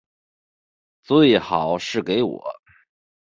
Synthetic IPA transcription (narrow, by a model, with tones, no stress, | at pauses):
t͡swe˥˩ɪxɑ˨˩˦ʊʂɻ̩˥˩ke˧˥ɪwɔ̰˨˩˦